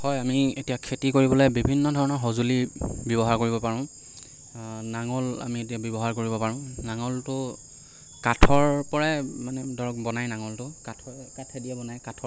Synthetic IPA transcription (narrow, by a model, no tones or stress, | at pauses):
hɔjamietijakʰetikoɹibɔlɛbibʱinːɔdʱɔɹɔnɔɹɦɔzulibjɔbɔɦaɹkoɹibɔpaɹʊ̃ʊ̃ | naŋɔla̰mietijabjɔbɔɦaɹkoɹibɔpaɹʊ̃naŋɔltʊ | katʰɔɹpɔɹɛmanɛdʱɔɹɔk̚bɔnajnaŋɔltʊkatʰkatʰɛdijɛbɔnajkatʰɔ